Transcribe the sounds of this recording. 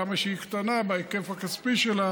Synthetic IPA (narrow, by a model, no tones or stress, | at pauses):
amaʃeikt̪anabeeke̞fakaspiʃela